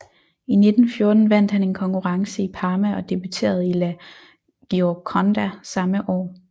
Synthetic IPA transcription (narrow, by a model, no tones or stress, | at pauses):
ine̝d̥n̩fjo̝ːɐd̥n̩ʋæn̰d̥hæne̝nkʰɒ̽ŋkʰuʁɑ̈ŋsəipʰɑ̈ːmæɒ̽d̥e̝b̥yt͡sʰe̝̰ːɐð̞̩ˠilæ | ɡ̥iɒkʰɒnd̥æsɑ̈məʔɒ̰ː